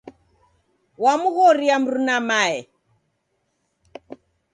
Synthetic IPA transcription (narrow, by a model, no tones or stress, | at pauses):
wamuɣɔɾiam̩ɾunamaɛ